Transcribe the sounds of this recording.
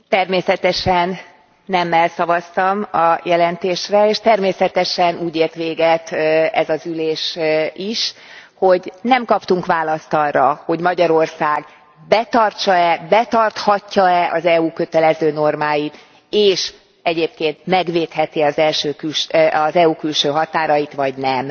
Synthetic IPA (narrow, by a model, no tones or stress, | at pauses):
t̪ɛrmeːsɛt̪ɛʃɛnː | ɛmːɛlsɒvɒst̪ɒmɒjɛlɛnt̪eːʃrɛeːʃt̪ɛrmeːsɛt̪ɛʃɛnuːɟeːrt̪ʋeːɡɛt̪ɛzɒzyleːʃiʃho̞ɟnɛmkɒpt̪uŋkʋaːlɒst̪ɒrːɒho̞ɟmɒɟɒɾo̞rsaːɡ | bɛt̪ɒrt͡ʃɒɛbɛt̪ɒrt̪hɒcːɒɛʔɒzɛuːkø̞t̪ɛlɛzøːno̞rmaːjit̪ | eːʃ | ɛɟeːp̚keːnt̪mɛɡʋeːt̪hɛt̪iɒzɛlʃøːkylʃɒzɛuːkylʃøːɦɒt̪aːɾɒjit̪ʋɒɟnɛm